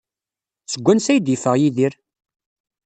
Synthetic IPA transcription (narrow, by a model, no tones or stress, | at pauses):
t͡səɡʷːænsæjd̪ifəʁjiðiɾ